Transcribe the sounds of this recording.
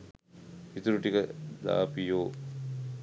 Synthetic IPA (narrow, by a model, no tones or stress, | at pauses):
pit̪uɾuʈikəd̪a̰ːpijoː